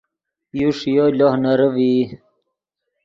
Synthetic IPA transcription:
juʂjolohnɐɾəvi

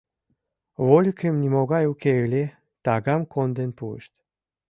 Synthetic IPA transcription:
βolʲkemnimoɣɑjukelʲe | t̪ɑɣɑmkond̪enpuə̰ʃt̪ʲ

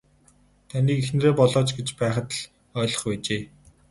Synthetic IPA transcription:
t̪ʰaniːkexn̆ɾeːpɔɮɔːt͡ɕɡet͡ɕpæːχə̆t̪ɮ | œːɮɞ̆χpæːt͡ɕeː

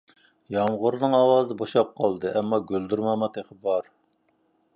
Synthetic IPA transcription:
jɑmʁʊɾnɨŋɑwɑːzɨboʃɑp̚qʰɑlˠd̪ɨʔɛmːɑɡʲøld̪yɾmɑmɑt̪ʰeqʰəbɑɾ

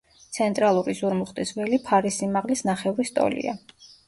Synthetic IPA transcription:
t̪sʰɛnt̪ʼɾalˠuɾizuɾmuχt̪ʼizvɛlipʰaɾisimaʁlisnaχɛvɾist̪ʼɔ̰lḭa̰

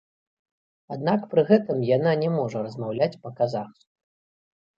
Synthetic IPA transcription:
ad̪nakpɾɨɣɛt̪ɨmjananʲɛmɔʐɐɾɐzmawlʲat͡sʲpɐkazaxsku

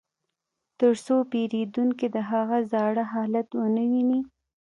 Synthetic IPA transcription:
t̪əɾsopeɾed̪uŋked̪əɦaɣazɑɽəɦɑlat̪wənəwini

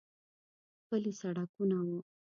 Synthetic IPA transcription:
kəlisaɽakunawu

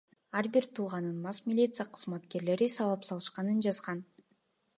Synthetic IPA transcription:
ɑɾbiɾt̪ʰuːʁɑnɯnmɑsmʲilʲit̪sɨjaqʰɯ̥zmɑt̪ke̞ɾle̞ɾisɑvɑpsɑlˠɯʃqɑnɯnd͡ʒɑzqɑn

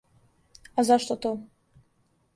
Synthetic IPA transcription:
azaʂt̪ot̪ʰo

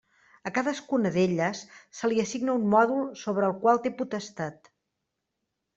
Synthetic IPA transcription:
əkaðəskunəðeʎəsːəliəsiɡnəummɔðulˠsoβ̞ɾəːlˠkwalˠt̪eput̪əst̪at̪

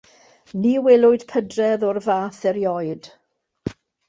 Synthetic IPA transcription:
niːwɛlˠʊɨd̥pʰədrɛðɔrvaːθɛɾjɔjd̥

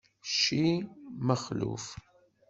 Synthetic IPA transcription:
ʃiməχlṵf

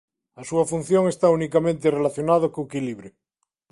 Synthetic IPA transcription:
asuafun̟θjoŋest̪aunikamẽnt̪̬erelaθjonað̞okoekiliβɾe

